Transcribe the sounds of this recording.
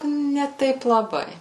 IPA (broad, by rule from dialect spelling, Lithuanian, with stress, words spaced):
nʲɛ ˈtɐɪp lˠɐˈbɐɪ